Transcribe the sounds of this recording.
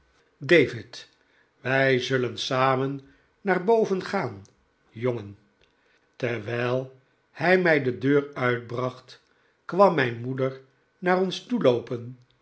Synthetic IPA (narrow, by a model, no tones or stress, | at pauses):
dejvɪt | ʋɛjzɵlənsaːmənː | aːrbowvənχaːn | joŋən | tɛɹʋɛjlˠ | hɛjmɛjdədøːrœɥd̚brɑχt | kʋɑmːɛjnmudəɹ | naːrɔnstulowpən